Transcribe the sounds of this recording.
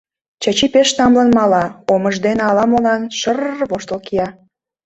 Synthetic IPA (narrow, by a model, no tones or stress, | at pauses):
t͡ɕɑt͡ɕipeʃt̪ɑmlənmɑlɑoməʒd̪eneɑlɑmolɑnʃərβoʃt̪əlkijɑ